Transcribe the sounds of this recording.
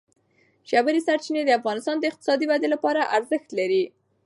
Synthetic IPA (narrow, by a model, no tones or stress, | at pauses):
ʃabəɾisaɾt͡ʃined̪əafɣɑnɪst̪ɑnd̪əɪq̚t̪ɪ̥sɑd̪iwad̪elapɑɾaʔaɾzəxt̪laɾi